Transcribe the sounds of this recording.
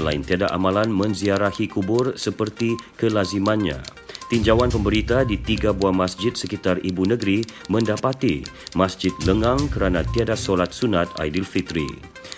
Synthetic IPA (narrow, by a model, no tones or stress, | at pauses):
la̰ɪnt̪iadaʔa̰mãlanmə̃nziaɾahikubʊrsəpərt̪ikəlazimãnɲã̰ | t̪iɲd͡ʒawanpəmbəɾit̪adit̪iɡabuamasd͡ʒɪt̪̚səkit̪aribunəɡɾimə̃ndapat̪imasd͡ʒɪt̪̚ləŋãŋkəɾanat̪iadasolat̪̚sunat̪a̰jdilfit̪ɾḭ